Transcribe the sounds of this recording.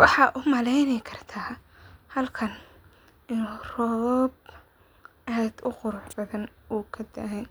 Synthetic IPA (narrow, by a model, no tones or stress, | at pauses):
wɑħɑːʔʊmɐlɛjnɛjkʰɐrt̪ʰaː | hɐlkʰɐn | ʔɪnːrɔːb̚ | ʔad̪ʊqʊɾʊħbɐðɐnuːkʰɐd̪ɐ̰ɦɛj